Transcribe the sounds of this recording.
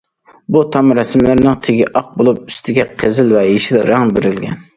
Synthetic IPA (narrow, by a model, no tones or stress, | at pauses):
but̪ʰɑmɾɛsmlɪɾnɪŋt̪ʰeɡʲɪʔɑq̚bolˠup̚y̥st̪ʰɪɡʲɛqʰəzɪlvɛeʃilɾɑŋbeɾɪlɡʲɛn